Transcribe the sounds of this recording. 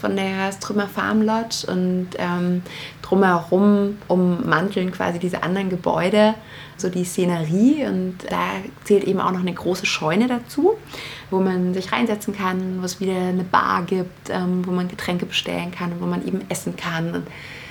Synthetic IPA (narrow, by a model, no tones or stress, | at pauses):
fɔndeːɐstʁ̥ʏmɐfa̰ɐmlɔtʔʊ̰ntʔɛːmd̥ʁʊmhɛʁʊmʔʊmːantl̩nkv̥a̰ːzidiːzə̰ʔa̰ndɐʁənɡəbɔ̰ʏɾə | zoːdiːst͡senəʁiːʊntd̥a̰ːt͡seːltʔeːbm̩ʔa̰ʊxnɔχnəɡʁoːsəʃɔʏnədat͡suːvoːmanzɪçʁaɪnzɛt͡sn̩kʰanvoːɛsv̥iːdɐnəba̰ːɐɡiːp̚tʔɛːmvoːmanɡətʁ̥ɛŋkəbəʃtɛ̰lənkʰanʊntv̥oːmanʔḛːbm̩ʔɛsn̩kʰanʊ̰nt